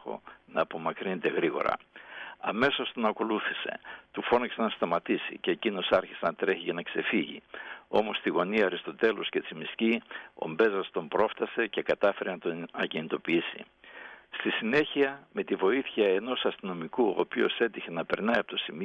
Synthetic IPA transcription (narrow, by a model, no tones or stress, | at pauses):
o̞̰nɐːpo̞mɐkɾinet̪e̞ɣɾiɣo̞̰ɾɐ̰ɐme̞sost̪onɐko̞luθise̞̰t̪ufo̞nɐkse̞nɐst̪ɐmɐt̪isḭceːcino̞sɐɾçisenɐt̪ɾe̞çiʝɐnɐkse̞fiʝḭo̞mo̞st̪iɣo̞niɐɾist̪o̞t̪e̞lo̞sce̞t͡simiscio̞̰mbe̞zɐst̪o̞mpɾo̞ft̪ɐse̞ce̞kɐt̪ɐfe̞ɾenɐt̪oɐcinit̪o̞piisḭ | st̪isine̞çiɐme̞t̪ivo̞iθçɐe̞no̞sɐst̪ino̞mikuo̰pio̞̰se̞t̪içe̞nɐpe̞ɾnɐiɐpot̪o̞simio